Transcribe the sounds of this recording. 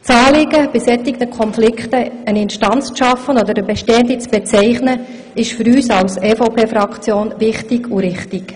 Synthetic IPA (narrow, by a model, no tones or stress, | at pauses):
t͡sɑːlɪɡəb̥ɪsɛt̪ɪɡnəkʰɔnflɪkχtəənɪnʃtɑnt͡st͡sʃɑfːənɔd̪əɾəbɛʃteːənd̪it͡sb̥ɛt͡sɛɪχnə | ɪʃfyɾyːsɑlseːfopʰeːfɾɑkt͡sjoːnvɪχtiɡuɾɪχtɪk